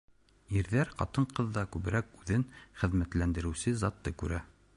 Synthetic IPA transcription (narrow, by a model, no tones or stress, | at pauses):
iɾðæɾqɑ̰t̪ɤɴqɤðːɑkʉβɘ̆ɾækʉðɘnχɘ̆ðmæt̪lænd̪ɘ̆ɾɘ̆wsɘzɑt̪ːɤkʉɾæ